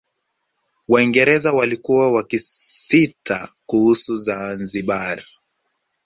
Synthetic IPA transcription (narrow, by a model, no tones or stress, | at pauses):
waiŋɡɛɾɛzawalikuwawakisitakuhusuzanziɓaɾi